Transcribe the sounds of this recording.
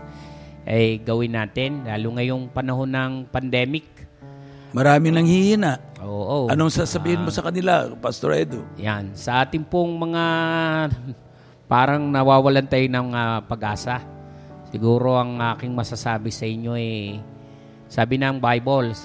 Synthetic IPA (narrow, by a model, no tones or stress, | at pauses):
ʔɐjɡɐwɪnːaːt̪ɪnlaːlʊŋɐjoŋpɐnɐɦo̞nːɐŋpɐnd̪ɛːmɪk̚ | mɐɾaːmɪnɐŋhihinaʔ | ʔoːʔoʔɐnoŋsaːsɐbiːhɪnmosɐkɐnɪlapɐst̪oɾɛ̰d̪ojansɐʔaːt̪ɪŋpoŋmɐŋa | paːɾɐŋnɐwaːwɐlɐnt̪ajonɐŋɐpɐɡʔaːsɐsɪɡuːɾo̞ʔɐŋʔaːkɪŋmɐsasaːbɪsɐʔɪɲːo̞ɛ | saːbɪnɐŋbajbols